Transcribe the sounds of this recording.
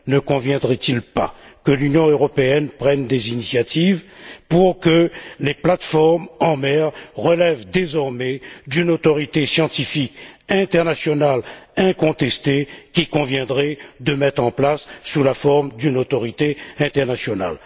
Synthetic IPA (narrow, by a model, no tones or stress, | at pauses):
nəkɔ̃vjɛ̃d̪ʁɛt̪ilpa̰kəlynjɔ̃øʁɔpeɛnpχɛnd̪ezinisjat̪ʰivpuʁkəleplat̪fɔʁmɑ̃mɛʁʁəlɛvd̪ezɔʁmɛd̪ynot̪ɔʁit̪esjɑ̃t̪ifikɛ̃t̪ɛʁnasjɔnalɛ̃kɔ̃t̪ɛst̪ekʲikɔ̃vjɛ̃d̪ʁɛd̪əmɛt̪χɑ̃plasːulafɔʁmd̪ynot̪ɔʁit̪eɛ̃t̪ɛʁnasjɔna̰l